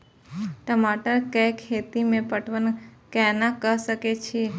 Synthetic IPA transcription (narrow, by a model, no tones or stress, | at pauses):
ʈəmaʈəɾkəjkʰet̪imẽpəʈʰʋənkɛnãkəʃəket͡ʃʰi